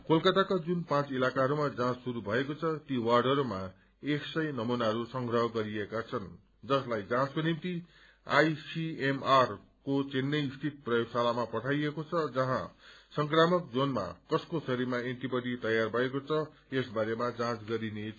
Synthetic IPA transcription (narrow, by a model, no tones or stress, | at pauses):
kolkʌt̪akad͡zunpãt͡silakaɦʌɾumad͡zãt͡ssuɾubʱʌekot͡sʰʌt̪iwarɖʌɾuma | eksʌjnʌmunaɦʌɾusʌŋɡrʌɦʌɡʌɾiekat͡sʰʌn | d͡zʌslajd͡zãt͡skonimt̪i | a̰jsiemar | kot͡senːʌst̪ʰit̪̚prʌjoɡsalamapʌʈʰajekot͡sʰʌd͡zʌɦã̰sʌŋkramʌk̚d͡zonma̰kʌskosʌɾimaeɳʈibʌɽit̪ʌjarbʱʌekot͡sʰʌ | esbaɾemad͡zãt͡sɡʌɾine